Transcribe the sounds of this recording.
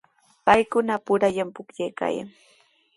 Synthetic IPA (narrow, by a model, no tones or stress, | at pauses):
pajkʊnapʊɾaʎampʊkʎajka̰ja̰ŋ